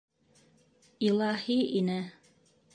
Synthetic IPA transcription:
ilˠɑhiʔinɘ

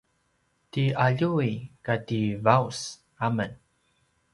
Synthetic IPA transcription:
tiaʎuikativaus | amən

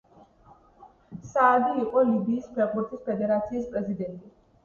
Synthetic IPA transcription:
saːd̪iːqʼɔlibiːspʰɛɾqʼbuɾt̪ʰʼispʰɛd̪ɛɾat̪sʰiːspʼɾɛzid̪ɛnt̪ʼi

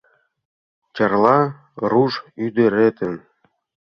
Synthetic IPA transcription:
t͡ɕɤ̆rlˠɑ | ruʐyd̪ɘ̆ɾʲet̪ɘ̆n

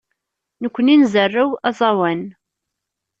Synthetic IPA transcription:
nəkʷːəninzərːəwæzˤɑwæn

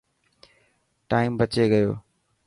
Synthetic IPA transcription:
ʈaːɪmbət͡ʃeːɡəjo̰ː

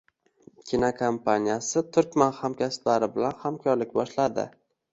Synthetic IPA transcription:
kʲʰinakʰompʰanijasɪt̪ʰʊɾkʲmanhamkʲʰast̪laɾɪbɪlanhamkʰɒɾlɪk̚ʲbɒʃlad̪ɪ̰

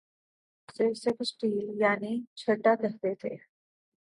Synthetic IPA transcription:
seseksʈiːljaːnit͡ʃʰɐʈːak̪ɐɦt̪et̪ʰḛː

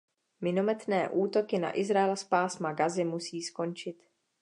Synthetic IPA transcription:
mɪno̞mɛt̪nɛːʔuːt̪o̞kɪna̰ʔɪzɾaɛlspaːsmaɡazɪmusiːsko̞nt͡ʃɪt̪

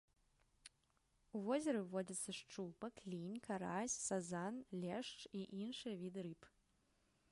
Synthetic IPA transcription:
uvɔzʲɐɾɨwvɔd͡zʲɐt̪sːɐʂt͡ʂupɐklʲinʲkaɾasʲsazanlʲɛʂt͡ʂiʔinʂɨjɐvʲid̪ɨɾɨp

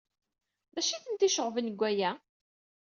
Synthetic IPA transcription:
ðæʃiθənt̪iʃəʁvənəɡʷːæjæ

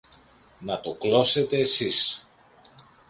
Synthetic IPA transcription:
nɐt̪o̞klo̞se̞t̪e̞ːsis

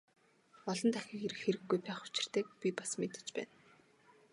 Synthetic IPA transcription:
ɔɮɞ̆nt̪ʰaxʲiːkeɾɘ̆xxeɾɘ̆ɡːujpæːχʊ̥t͡ɕɪ̥̆r̥t̪eːk̚pʲipḁsmet̪ə̥̆t͡ɕpæ̰ːn

